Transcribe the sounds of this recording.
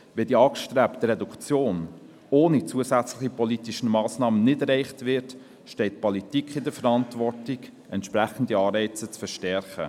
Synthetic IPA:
ʋɛdiɑːkʃtɾɛːpt̪əɾɛdukt͡sjoːn | oːnit͡suəsæt͡sləχipɔlitiʃən̩mɑːsnɑːmənnɪdɛɾɛɪχtvɪɾt | ʃtɛɪtpɔlitikχɪdəfəɾɑntvɔrtiɡ | ɛntʃpɾæχən̩diɑːɾɛɪt͡sət͡sfəɾʃtɛɾχə̰

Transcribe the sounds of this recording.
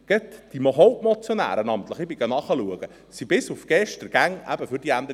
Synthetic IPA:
ɡ̥ɛtd̥imoɦoʊpmot͡sjonæ̰ːɾənɑmt̪ləχɪbɪɡ̥ɑnɑχəluəɡ̥ə | sibɪsufɡ̥ɛʃtəɾɡ̥æŋʔæ̰b̥əfʏɾd̥iænd̪ə

